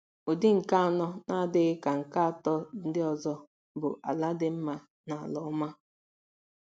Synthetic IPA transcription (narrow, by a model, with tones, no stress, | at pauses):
o˨dɪ˦ŋ̩˨ka˦a˨nɔ˦na˦dɪ˦ɣɪ˦ka˨ŋ̩˨ka˦a˨tɔ˦n̩˦dɪ˦ɔ˨zɔ˦ | bʊ̰˨ʔa˨la˦dɪ˦m̩˦ma˦ | na˨a˨lɔ˦ma˦